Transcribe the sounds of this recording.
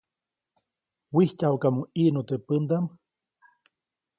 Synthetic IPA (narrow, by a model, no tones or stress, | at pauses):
wihcawkamuiʔnot̪əpənd̪am